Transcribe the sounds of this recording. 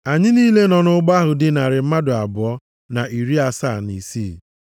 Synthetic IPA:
a˨ɲɪ˦niː˦le˦nɔ˨nʊ˦ɡ͡ba˦ɦʊ˨dɪ˨na˨ɾɪ˨m̩˦ma˦dʊ˨a˨bʊ˨ɔ˦ | na˨ʔi˨ɾi˦a˨sa̰˦˨ni˨siː˦˨

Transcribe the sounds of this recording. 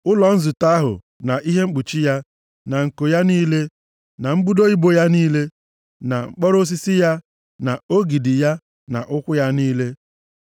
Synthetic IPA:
ʊ˦lɔ˨n̩˦zʊ˨ta˦a˦ɦʊ̰˨ | na˨ʔi˦ɦe˦ŋ͡m̩˦k͡pu˨t͡ʃi˦ja˦ | na˨ŋ̩˨ko˨ja˦niː˦le˦ | na˨ŋ͡m̩˦bu˦do˦i˦bo˨ja˦niː˦le˦ | na˨ŋ͡m̩˦k͡pɔ˦ɾo˦s̬i˦si˦ja˦ | na˨o˦ɡi˨di˨ja˦ | na̰˨ʔʊ˦kʷʊ˦ja˦niː˦le˦

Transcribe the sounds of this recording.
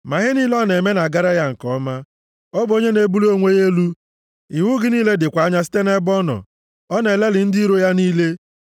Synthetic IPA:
ma˨ɣɪ˦niː˦lɔ˦ne˨me˦na˨ɡa˦ɾa˦ja˦ŋ̩˨kɔ˦ma˦ | ɔ˦bo˦ɲe˦ne˨˦bu˦lo˦ŋʷe˦je˦lu˦ | i˨wʊ˦ɡɪ˦niː˦le˦dɪ˨kʷa˨˦ɲa˦s̬i̥˦te˦ne˦bɔ˦nɔ̰˨ | ɔ˦ne˨le˦lɪ˨n̩˦di˦ɾo˦ja˦niː˦le˦

